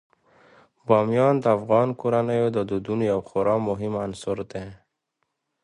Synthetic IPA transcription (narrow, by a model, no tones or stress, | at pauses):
bɑmjɑːnd̪afɣɑːnkuɾanajod̪ɔd̪ud̪unjawxoɾɑmʊɦimansɔɾd̪e